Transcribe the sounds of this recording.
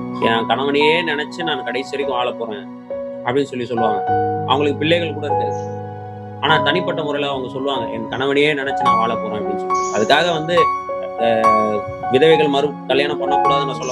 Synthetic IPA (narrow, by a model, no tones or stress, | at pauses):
nãːkɐɳɐʋɐɳɪjeːnɪnɛt͡ʃːɯnaːkɐɽɐɪsɪɾɪkːɯ̃ʋaːɭɐpoːɾẽː | ɐpːɐɽɪnːsɔlːisɔlːɯʋãːŋɡɐɐʋɐŋɡɐɭɯkːɯpɪɭːɛɪɣɐɭkuːɽɐɪɾɯkːɯ | aːnaːt̪ɐnɪpːɐʈːɐmʊɾɐɪlɐɐʋɐŋɡɐsɔlːɯʋaːŋɡɐʔɛnkɐɳɐʋɐnɪjeːnɪnɛt͡ʃːɯnãːʋaːɭɐpoːɾẽːɐpːɐɽɪnsɔɐðɯkːaːɣɐʋɐnd̪ɯ | ʋɪðɐʋɐɪɣɐɭmɐɾɯ | kɐljaːnɐ̃mpɐnːɐkːuːɽaːðɯnãːsɔlːɐ